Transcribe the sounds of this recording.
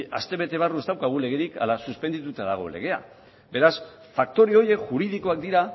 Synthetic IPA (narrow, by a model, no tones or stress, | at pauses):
a̰st̪e̞βe̞t̪e̞β̞arue̞st̪awkaɣule̞ɣe̞ɾika̰lasuspend̪it̪ut̪aðaɣ̞o̞̰le̞̰ɣ̞e̞a̰ | be̞ɾas | fak̚t̪o̞ɾeo̞je̞kʝuɾiðiko̞ak̚d̪iɾa